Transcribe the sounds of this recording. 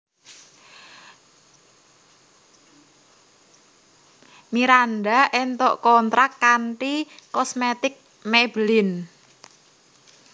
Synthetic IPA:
miɾanɖaʔɛnt̪ɔ̰ʔkɔnt̪ɾakːaɳʈikɔsmet̪ɪk̚ | mebəlɪn

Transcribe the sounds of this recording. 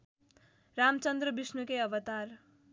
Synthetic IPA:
ramt͡sʌnd̪rʌbisnukejʌbʌt̪ar

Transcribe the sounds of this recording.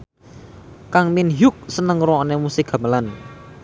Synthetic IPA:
kaŋminjʊk̚sənəŋɾɔnemusɪkɡ̥a̤məlan

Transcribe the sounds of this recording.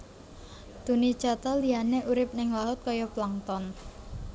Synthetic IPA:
d̪̥ṳni̥t͡ʃat̪ɔliɦaneʔuɾɪp̚nɪŋwaɦʊt̪̚kɔjɔplaŋt̪ɔn

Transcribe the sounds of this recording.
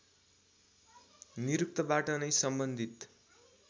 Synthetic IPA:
niɾuk̚t̪ʌbaʈʌnʌjsʌmbʌnd̪ʱit̪

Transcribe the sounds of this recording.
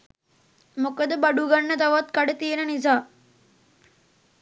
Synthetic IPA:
mokəd̪əbaɖuɡanːət̪aʋat̪kaɖət̪ienənizaː

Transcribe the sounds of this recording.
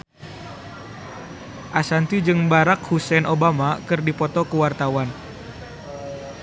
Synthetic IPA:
ʔasant̪ud͡ʒɨŋbaɾak̚husɛnʔobamakɨrdipɔt̪ɔkuwart̪awan

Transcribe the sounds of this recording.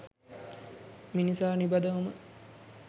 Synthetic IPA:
minisaːnibɐd̪əʋəmə

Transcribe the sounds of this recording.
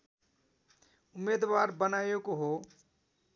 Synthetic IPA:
ʊmːed̪ʋaɾbənajekoɦo

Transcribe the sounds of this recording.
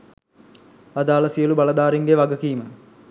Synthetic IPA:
ad̪aːləsijəlubalɐd̪aːɾiŋɡeʋaɡəkiːmə

